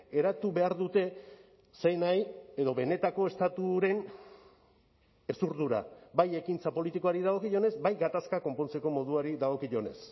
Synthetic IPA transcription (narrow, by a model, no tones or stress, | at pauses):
e̞ɾat̪uβe̞aɾðut̪e̞ | sejnaje̞ðo̞βe̞ne̞t̪ako̞e̞st̪at̪uɾe̞n | e̞suɾðuɾa̰baje̞kint͡sapo̞lit̪ikoaɾiðaɣo̞kiʝone̞zbajɡat̪askako̞mpo̞nt͡se̞ko̞mo̞ðuaɾiðaɣo̞kiʎo̞ne̞̰s